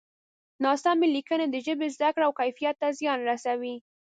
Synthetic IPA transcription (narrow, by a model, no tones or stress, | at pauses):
nɑsɑmelikəned̪əʒəbezd̪akɽawkajfijat̪ːazjɑnɾasawi